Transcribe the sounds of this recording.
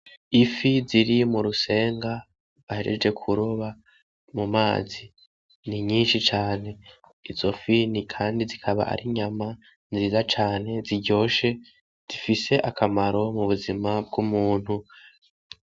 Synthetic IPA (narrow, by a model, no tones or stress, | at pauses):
ifiziɾimuɾuse̞ːŋɡa | aheɾḛd͡ʒɡe̞kʰuɾoβa | mumaːzi | niɲiːnʃit͡ʃaːne̞ | izo̞finikʰaːndizikʰaβa̰ʔa̰ɾʔiɲama | nziːzat͡ʃaːne̞ziɟo̞ːʃe̞ | z̥ifise̞ʔakʰamaɾo̞muβuzimab̚ɡumuːn̥hu